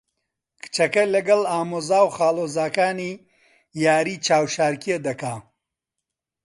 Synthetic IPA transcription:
kʰɨ̥t͡ʃɐkɐlɐɡɐlaːmoːzaːwχaːlˠoːzaːkaːniː | jaːɾiːt͡ʃʰaːwʃaːɾkied̪ɐkaː

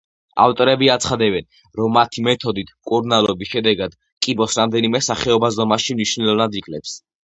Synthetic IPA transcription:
a̰ft̪ʼɔɾɛbiat̪sʰχad̪ɛbɛn | ɾɔmːat̪ʰimɛt̪ʰɔd̪it̪ʰkʼuɾnalˠɔbisʃɛd̪ɛɡad̪̥ | kʼibɔsɾamd̪ɛnimɛsaχɛɔbazd̪ɔmaʃimniʃnɛlˠɔvnad̪ikʼlɛps

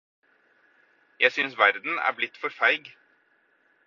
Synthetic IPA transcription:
jæɪsʏnsʋæɾd̪n̩æ̰ːɾblɪt̪ːfɔɾfæɪɡ

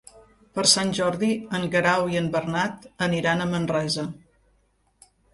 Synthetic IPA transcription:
pəɾsanʲʒɔɾðiəŋɡɾawiəmbərnat̪əniɾanəmənrɛzə

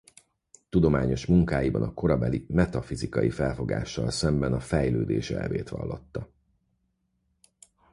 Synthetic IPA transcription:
t̪ud̪o̞maːɲo̞ʃmuŋkaːjibɒnɒko̞ɾɒbɛlimɛt̪ɒfizikɒjifɛlfo̞ɡa̰ːʃːɒlsɛmbɛnɒfɛjløːd̪eːʃɛ̰lveːt̪ʋɒ̰lːo̞t̪ːɒ

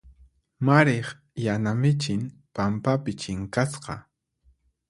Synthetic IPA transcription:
maɾeχ | janamɪt͡ʃɪnpampapɪt͡ʃɪŋkasqɑ̰

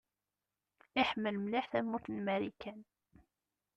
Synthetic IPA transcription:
ɪħəmːəlmliħθæmːuθnmæɾikæn

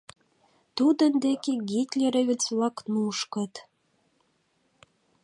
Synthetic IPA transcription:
t̪ud̪ənd̪ekeɡit̪ʲlʲeɾeβʲɘt͡sβlɑknuʃkə̆t̪

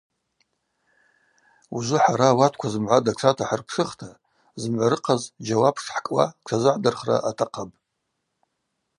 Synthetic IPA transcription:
uzʷʊħaɾaːwatʰkʷʰazɨmʕʷadat͡sʷʰatʰaħarpʰʂɨχtʰa | zɨmʕʷaɾɨqʰazd͡ʒawapʰʂħkʼwa̰kʷʰazɨʕdɨrχra̰ʔatʰaqʰapʼ

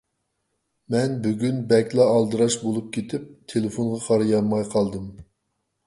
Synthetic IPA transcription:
mɛnbyɡʲynbɛkʲlˠɑːlˠd̪ɨɾɑʃbolˠup̚kʲʰet̪ʰɪp̚t̪ʰelˠɪfonʁɑqʰɑɾɨjɑnmɑjqʰɑlˠd̪ɨm

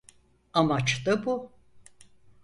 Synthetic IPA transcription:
amat͡ʃt̪abu

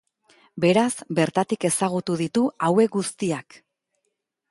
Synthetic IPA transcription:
be̞ɾazbe̞ɾt̪at̪ike̞saɣ̞ut̪uðit̪uawe̞k̚ɡust̪iak

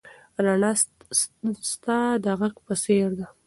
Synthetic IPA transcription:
ɾana | st̪ad̪əɣakpəseɾd̪a

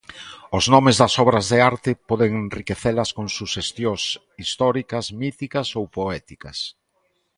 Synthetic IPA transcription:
ʊznɔmezðɐsɔβɾɐzðeaɾt̪ɪpɔðeŋenrikeθelɐskoŋsuʃest̪jos | ist̪ɔɾikɐsmit̪ikɐsowpoɛt̪ikɐs

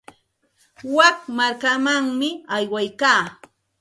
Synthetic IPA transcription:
wakmaɾkamaŋmɪajwajkaː

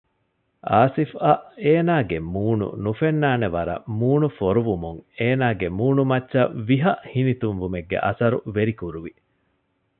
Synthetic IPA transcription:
ʔaːsifɐʔeːnaːɡemuːnṵnufenːaːneʋɐɾɐ̰muːnufoɾuʋumuŋeːnaːɡemuːnumɐtːʃɐʋiɦɐʔhinit̪unʋumeɡːḛʔɐ̰sɐɾuʋeɾikuɾuʋi

